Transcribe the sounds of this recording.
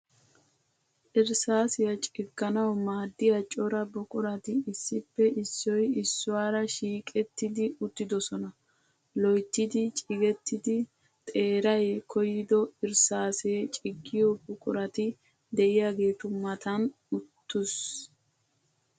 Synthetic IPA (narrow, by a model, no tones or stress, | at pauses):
ʔɪɾsaːsɪjɐt͡ʃʼɪɡːɐnɐwmaːd̪ːɪjɐt͡ʃʼɔɾɐbʊkʼʊɾɐt̪ɪɪsːɪpːɛʔɪsːɔjɪsːʊwaːɾɐʃiːkʼɛt̪ːɪd̪ɪʊt̪ːɪd̪ɔsɔnɐ | lɔjt̪ːɪd̪ɪt͡ʃʼɪɡɛt̪ːɪd̪ɪ | t̪ʼe̞ːɾɐjkʰɔjɪd̪ɔɪɾsaːseːt͡ʃʼɪɡːɪjɔbʊkʼʊɾɐt̪ɪ | d̪ɛʔɪjaːɡe̞ːt̪ʊmːɐt̪ɐn | ʊt̪ːʊs